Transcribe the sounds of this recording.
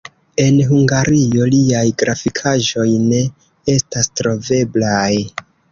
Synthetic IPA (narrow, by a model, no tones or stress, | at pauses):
e̞nɦuŋɡaɾio̞liajɡɾafikʰaʒo̞jne̞ | e̞stastɾo̞ve̞blaj